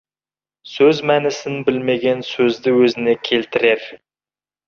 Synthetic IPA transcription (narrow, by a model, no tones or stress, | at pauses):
sɵzmænɪsɪnbɪlmeɡʲensɵzd̪ɪwɵzɪnekʲʰelt̪ɪɾeɾ